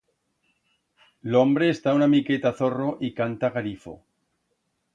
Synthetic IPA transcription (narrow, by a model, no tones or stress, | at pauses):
lo̞mbɾe̞ːst̪aunamike̞t̪aθo̞ro̞ʔikant̪aɣalifo̞̰